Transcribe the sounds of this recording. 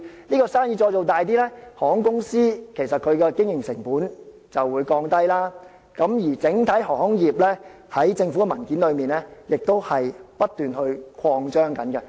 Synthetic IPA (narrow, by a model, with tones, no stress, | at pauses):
niː˥kɔː˧saː˥njiː˧t͡ʃɔː˧jt͡so˨wt̪aː˨jt̪̬iː˥lɛ˥hɔː˨˩hʊ˥ŋkʊ˥ŋsiː˥kʰe˨˩jsɐ˨t̚kʰɵ˨˧ɥkɛː˧kɪ˥ŋjɪ˨˩ŋsɪ˨˩ŋpuː˨˥n | t͡sɐ˨wːuː˨˧jkɔː˧ŋt̪ɐ˥jlaː˥ | kɐ˨˥mji˨˩t͡sɪ˨˥ŋt̪ʰɐ˨˥jɦɔ˨˩ŋhʊ˥ŋjiː˨p̚lɛː˥ | hɐ˨˥jt͡sɪ˧ŋfuː˨˥kɛ˧mɐ˨˩nkiː˨˥nlɵ˨˧ɥmiː˨˩nlɛː˥jɪ˨k̚t̪o˥whɐ˨jpɐ˥t̚t̪yː˨˩nhɵ˧ɥkʰwɔː˧ŋt͡ʃœː˥ŋkɐ˨˥nkɛ˧